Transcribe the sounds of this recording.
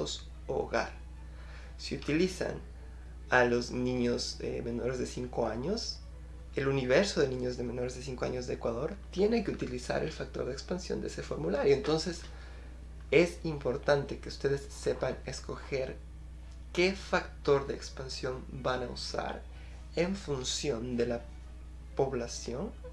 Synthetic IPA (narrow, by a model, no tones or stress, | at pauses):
os | oo̰ɣa̰ɾ | siut̪ilisa̰n | alo̞znĩɲosḛme̞no̞ɾe̞zðesiŋko̞aɲo̞s | e̞luniβeɾso̞ðe̞nĩɲo̞zðeme̞no̞ɾezðe̞siŋkoa̰ɲo̞zðe̞ːkwaðo̞ɾt̪je̞neke̞ut̪ilisa̰ɾe̞̰lfak̚t̪o̞ɾðekspansjo̰nd̪eese̞fo̞ɾmulaɾjo̞ent̪o̞nse̞s | esimpo̞ɾt̪ant̪e̞keust̪e̞ðesːe̞panesko̞xeɾ | kefakt̪o̞ɾðeːkspansjo̞mbanaṵsa̰ɾ | e̞ɱfunsjo̞nd̪e̞la | po̞βlasjo̞n